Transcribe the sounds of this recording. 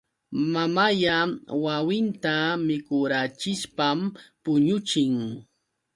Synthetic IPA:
mamajawawɪnt̪amɪkʊɾat͡ʃɪʃpampʊɲʊt͡ʃɪŋ

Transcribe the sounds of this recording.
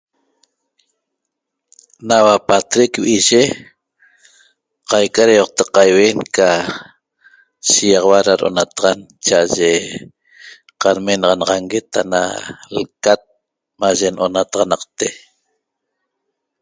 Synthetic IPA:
nawapat̪ɾekwiʒe | qɑjkaɾajoq̚t̪ɑqːajweːŋka | ʃijɑʁɑwaɾaɾo̰nat̪ɑʁɑnt͡ʃaʔaʒe | qaɾmenɑʁɑnɑʁɑŋɡet̪ʰa̰na̰lkat̪̚ | maʒe̞nʔonat̪ɑʁɑnɑqt̪e

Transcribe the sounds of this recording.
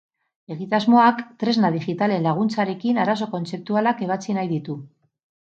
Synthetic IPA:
e̞ɣit̪azmo̞akt̪ɾe̞znað̞iʝit̪ale̞nlaɣ̞unt͡saɾe̞kinaɾaso̞ko̞nt͡se̞p̚t̪ualake̞β̞at͡sinajðit̪u

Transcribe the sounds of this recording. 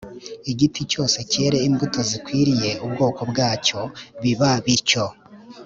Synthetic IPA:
iɟitʰico̞ːse̞ce̞ːɾe̞imbuto̞zikwiːɾije̞ubɡo̞ːko̞bɡaːco̞βiβaβiɾco̞

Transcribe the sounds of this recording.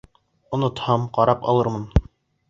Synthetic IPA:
ŏnŏt̪hɑmqɑɾɑpɑ̰lˠɤɾmɤn

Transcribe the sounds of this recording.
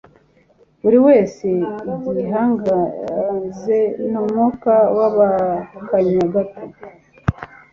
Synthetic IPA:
βuɾiwe̞ːse̞ɟiɦaŋɡaze̞numokawaβakaɲaɡato

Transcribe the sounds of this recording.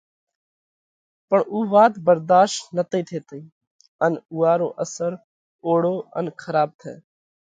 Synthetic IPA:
pəɳuːʋaːt̪bəɾd̪aːʃʈnət̪iːt̪ʰeːt̪əiː | ənuːaːɾo̰ːʔəsəɾ | oːɽoːə̰nkʰəɾaːb̚t̪ʰɛ̰ː

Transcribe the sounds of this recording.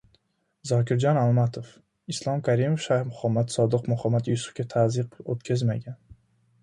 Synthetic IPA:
zɒkʰʲɪɾd͡ʒɒnalˠmat̪ʰof | ɪslˠɒmkʰaɾimofʃaɾmʊhamːat̪sɒd̪ɨqmʊhamːat̪jʊsʊ̥fkʲat̪ʰazɨqot̪̚kʲʰazmaɡʲan

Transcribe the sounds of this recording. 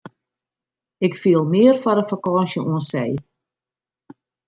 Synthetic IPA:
ɪkfiəlˠmɪərfɔɾəfakɔːsjəuənsɛj

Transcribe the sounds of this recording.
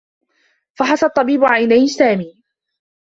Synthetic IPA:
fɑħɑsˤɑt̪ˤːɑbiːbʊʕajnajːsaːmiː

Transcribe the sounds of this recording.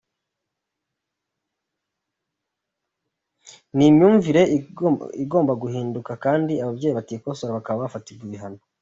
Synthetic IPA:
nimɲuːɱviɾe̞ | iɡo̞ːmbaɡuhiːndukakaːndiaβabɟeːjiβatiːkosoɾaβakaβaβafatiɾɡiβiɦano

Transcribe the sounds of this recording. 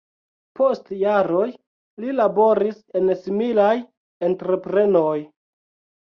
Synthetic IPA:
po̞stjaɾo̞j | lilabo̞ɾise̞nsimilaj | entɾe̞pɾe̞noj

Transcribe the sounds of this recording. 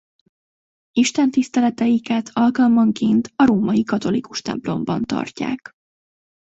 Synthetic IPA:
iʃt̪ɛnt̪ist̪ɛlɛt̪ɛjikɛt̪ʰɒlkɒlmɒŋkeːnt̪ɒɾoːmɒjikɒt̪o̞likuʃt̪ɛ̰mplo̞mbɒ̰nt̪ɒ̰rca̰ːk

